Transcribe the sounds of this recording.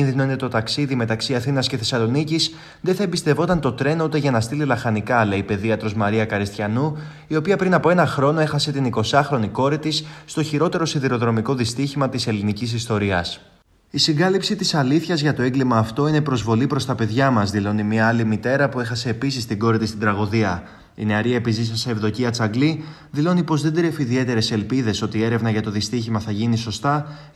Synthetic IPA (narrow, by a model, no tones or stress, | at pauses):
inðino̞ine̞t̪o̞t̪ɐksiðime̞t̪ɐksiɐθinɐsce̞θe̞sɐlo̞nicis | ðeθɐebist̪e̞vo̞t̪ɐnt̪o̞t̪ɾe̞nut̪e̞ʝɐnɐst̪ililɐxɐnikɐle̞ipe̞ðiɐt̪ɾozmɐɾiɐkɐɾist̪çɐnu | io̞piɐpɾinɐpo̞e̞nɐxɾo̞no̞exɐse̞t̪iniko̞sɐxɾo̞niko̞ɾit̪isst̪o̞çiɾo̞t̪e̞ɾo̞siðiɾo̞ðɾo̞miko̞ðist̪içimɐt̪ise̞linicisist̪o̞ɾiɐs | isiŋɡɐlipsit̪isɐliθçɐzʝɐt̪o̞e̞ŋɡlimɐːft̪o̞ine̞pɾo̞zvo̞lipɾo̞st̪ɐpe̞ðʝɐmɐzðilo̞nimiɐɐlimit̪e̞ɾɐpue̞xɐse̞ːpisist̪iɡo̞ɾit̪ist̪ind̪ɾɐɣo̞ðiɐ | ḭneɐɾiɐepizis̬ɐseːvðo̞ciɐt͡sɐɡli | ðilo̞nipo̞zðe̞nd̪ɾefiiðie̞t̪e̞ɾe̞se̞lpiðe̞so̞t̪ie̞ɾe̞vnɐʝɐt̪o̞ðist̪içimɐθɐʝiniso̞st̪ɐ